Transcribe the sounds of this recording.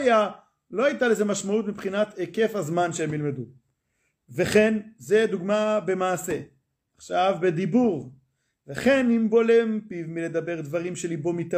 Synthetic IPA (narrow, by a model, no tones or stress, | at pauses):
ja | lo̞hajt̪ale̞zemaʃmaut̪mipχinat̪eke̞fhazmanʃeemjilme̞d̪u | veχe̞nze̞d̪uɡmabe̞maːse̞ | aχʃavbe̞d̪ibuʁ | veχe̞nimbo̞lempivmile̞d̪abe̞ʁd̪vaʁimʃelibo̞mit̪a